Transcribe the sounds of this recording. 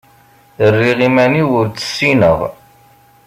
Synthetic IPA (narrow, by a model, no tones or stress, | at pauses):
ərːiʁimæniwʊɾt͡sːə̥sːinəʁ